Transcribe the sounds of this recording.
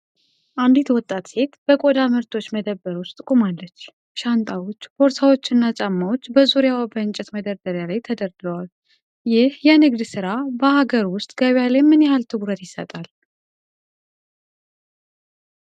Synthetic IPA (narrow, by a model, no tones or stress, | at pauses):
ʔand̪it̪wɔt̪ʼːat̪se̞t̪b̥əkʼod̪amɨɾt̪ʰo̞t͡ʃːməd̪əbːəɾwʊst̪ʼɨkʼumalːət͡ʃː | ʃant̪ʼawo̞t͡ʃːbo̞ɾsawo̞t͡ʃːɪnːat͡ʃʼamːawo̞t͡ʃːbəzuɾjawbəɨnt͡ʃʼɛt̪məd̪əɾd̪əɾjalajt̪ʰəd̪əɾd̪əwal | jɪhjɛɨnɨɡd̪sɨɾabəhaɡəɾwʊst̪ʼɡ̥əβjalajmːɨnjɛhalt̪ʰɨɡuɾət̪jɪsːə̰t̪ʼal